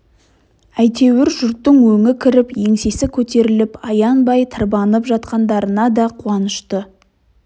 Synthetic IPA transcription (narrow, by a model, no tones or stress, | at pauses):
æjt̪ʰe̞wɪɾʒʏɾt̪ːɪŋwɵŋɪkʲʰɪɾɪpje̞ŋse̞sɪkʲʰɵt̪e̞ɾɪlɪpɑjɑnbɑjt̪ʰəɾbɑnəpʒɑt̪qɑnd̪ɑɾənɑd̪ɑqʰuɑnəʃt̪ə